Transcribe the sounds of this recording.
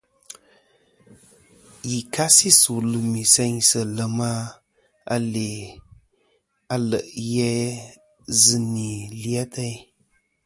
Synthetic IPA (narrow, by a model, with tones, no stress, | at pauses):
ji˨ka˦si˦su˨lɨ˨mi˨sɛ˧ɲsə˨lə˨ma˦ | a˧le˨ | a˨lə˨ʔjɛ˦ | zɨ˨ni˨li˨˦a˦tʰə˦j